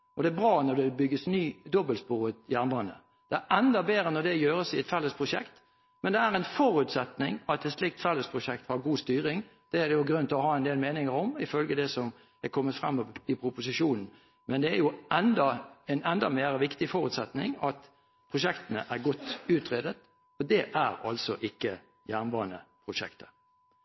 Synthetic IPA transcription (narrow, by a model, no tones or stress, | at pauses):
ʔɔd̪ɛæbʁɑːnɔd̪ɛbʏɡːəsnyːd̪ɔbəlspuːʁət̪jænbɑnə̰ | d̪̥ɛæʔɛnd̪ɑbeːɾənɔd̪ɛjøːɾəsɪɛt̪fɛlːəspʰʁʊʂɛ̰kt̪ | mɛnd̪ɛæɾɛnfɔɾʉːt̪sɛt̪nɪŋɑt̪ɛt̪ʂlɪk̚t̪fɛlːəspʰʁʊʂɛk̚t̪hɑɾɡuːst̪yːɾɪŋd̪̥ɛæd̪ɛjʊɡɾʉnt̪lɔhɑːɛnd̪eːlmeːnɪŋəɾɔmɪfœlɡəd̪ɛsɔm | ɛkʰɔmːət̪fɾɑmːɔʋɪpʰɾʊpʊsɪʂuːnn̩ | mɛnd̪ɛæɾjʊɛnd̪ɑɛnɛnd̪ɑmeːɾəʋɪkt̪ɪfɔɾʉːt̪sɛt̪nɪ̰ŋɑt̪ | pʰʁʊʂɛkt̪ənə̰ʔæɾɡɔt̪ːʉːt̪ʁeːd̪ət̪ | ɔd̪ɛʔæɾɑlsɔʔɪkːə | jæːʁnbɑːʁənə̰pʰɾʊʂɛ̰kt̪ə̥